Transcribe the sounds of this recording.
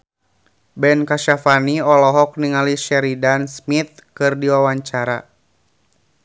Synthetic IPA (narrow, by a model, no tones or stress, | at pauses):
bɛnkaʃafaniɔlɔɦɔk̚niŋaliʃɛɾidansmit̪̚kɨrdiwawaɲt͡ʃaɾa̰